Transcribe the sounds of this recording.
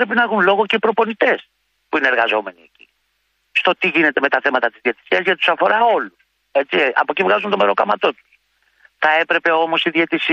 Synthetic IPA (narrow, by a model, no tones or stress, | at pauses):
ɾe̞pinɐexunlo̞ɣo̞ce̞ipɾo̞ponit̪e̞s | puineːɾɣɐzo̞me̞nieci̥̰ | st̪o̞t̪iʝine̞t̪e̞me̞t̪ɐθe̞mɐt̪ɐt̪izðje̞t̪i̥siɐzʝɐt̪t̪usɐfo̞ɾɐo̞lus | e̞t͡ssiɐ̰po̞civɣɐzunt̪o̞me̞ɾo̞kɐmɐt̪o̞t̪u̥s | θɐe̞pɾe̞pe̞o̞mo̞siðe̞t̪isi